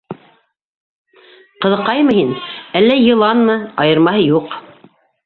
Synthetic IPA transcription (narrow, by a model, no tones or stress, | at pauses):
qɤ̆ðɤ̆qːɑjmɤhinælːæjɤ̆lˠɑnmɤɑjɤ̆ɾmɑhɤjuq